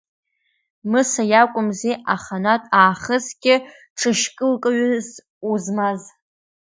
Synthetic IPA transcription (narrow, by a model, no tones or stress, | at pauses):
mɨsajakʷʼʊmzeʔaχanatʼaːχəzɡʲʼɪ | ʈ͡ʂʰɨʃkʼɨlkʼɨɥz | uzmaz